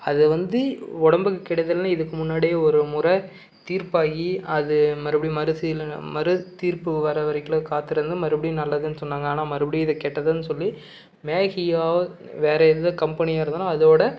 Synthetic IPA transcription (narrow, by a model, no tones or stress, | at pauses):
ɐðɯʋɐnd̪ɯɔɽɐmbɯkːɯkːɪɽɐðɐlnːaːɪðɯkːɯmʊnːaːɽejɐɔɾɯmʊɾɐ | t̪iːɾpaːɣiɐðɯmɐɾɪpːɐɽijmɐɾɯsɪlmɐɾɯt̪iːɾpɯʋɐɾɐʋɐɾɐɪkːɯɭɐkaːt̪ːɪɾɐnd̪ɯmɐɾɐpɐɽij̃nɐlːɐðɯnːɯsɔnːaːŋɡɐaːnaːmɐɾɯpɐɽiɪðɐkɛːʈːɐðɯnːɯsɔlːi | meːɣɪjaː | ʋeːɾɐɛððɐkɐmpɐnɪjaːɪɾɯnd̪alːaːɐðoːɽɐ